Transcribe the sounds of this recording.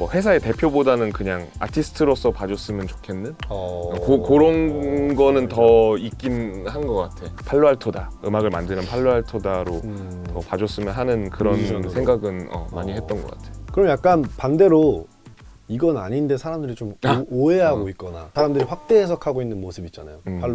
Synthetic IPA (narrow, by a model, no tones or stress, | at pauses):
mʌhe̞sʰae̞te̞pʰjobodanɯnkɯɲaŋ | a̰tʰisʰɯ̥tʰɯɾos͈ʰʌpad͡ʑʌs͈ɯmjʌnt͡ɕo̥kʰe̞nːɯnkokoɾʌnɡʌnɯntʌik͈inhanɡʌk͈atʰe̞pʰaɭːoɦaɭtʰoda | ɯmaɡɯɭmandɯnɯnpʰaɭːoɦaɭtʰodaɾo | tʌpad͡ʑʌs͈ɯmjʌnɦanɯnkɯɾʌnsʰe̞ŋɡaɡɯnʌ̰ma̰ɲihet͈ʌnɡʌk͈atʰekɯɾʌmjak͈̚anpande̞ɾo | iɡʌna̰ɲinde̞sʰaɾamdɯɾit͡ɕomoe̞ɦaɡoit̚k͈ʌna̰sʰaɾamdɯɾiɸwak̚t͈e̞ːsʰʌkʰaɡoinːɯnmosʰɯbit͡ɕ͈anajopʰa